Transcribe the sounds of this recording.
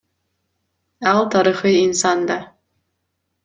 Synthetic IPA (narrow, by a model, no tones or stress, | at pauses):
ɑlˠt̪ʰɑɾiχɯinsɑnd̪ɑ